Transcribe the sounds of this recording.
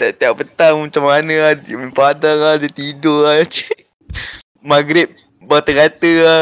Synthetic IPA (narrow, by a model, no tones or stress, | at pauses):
t̪aʔt̪iaʔpət̪aŋmət͡ʃamːanəaməpadaŋadit̪idoat͡ʃi̥ | maɡɾɪt̪̚ | bat̪əɡat̪əa